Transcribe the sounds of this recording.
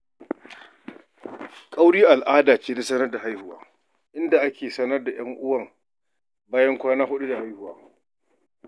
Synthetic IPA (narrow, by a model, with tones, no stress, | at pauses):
kʼa˦wɽiː˦ʔa˨lʔaː˦daː˨t͡ʃeː˦da˦sɐ˦nɐ˦rda˨ɦa˦jhʊ˨wa̰ː˨˦ | ʔɪ˦nda˨ʔa˦kʲeː˨sɐ˦nɐ˦rda˨j̰ɐ˦ŋʔʊ˦wɐ˦˨ŋ | baː˦jɐ˦ŋkʷaː˦naː˦ɦʊ˦ɗu˦da˨ha˦jhʊ˨wa̰ː˦